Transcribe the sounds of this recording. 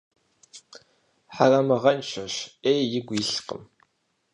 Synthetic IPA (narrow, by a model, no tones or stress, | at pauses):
ħarɐmɐʁɐnt͡ɕʷʰɐɕeːjjɪɡʷiɬqə̰m